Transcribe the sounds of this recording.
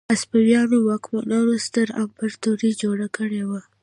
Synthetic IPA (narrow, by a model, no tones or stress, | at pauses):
aspawjɑnowɑkmanɑɾost̪əɾampaɾt̪uɾid͡ʒoɽakəɽewa